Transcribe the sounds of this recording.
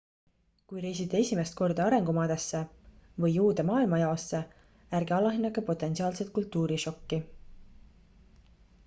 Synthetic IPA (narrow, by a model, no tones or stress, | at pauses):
kujɾejsit̪ːˑee̞sʲime̞st̪̚ko̞rd̪̥ɑɑɾe̞ŋɡ̥umɑːd̪̥esːe̞vɤjːuːd̪̥emɑːilmɑjɑosːe | æɾɡ̥eɑlɑɦinːɑkːɑpo̞t̪ːˑe̞nsiɑːlset̪̚kult̪ːˑuːɾiʃo̞kːi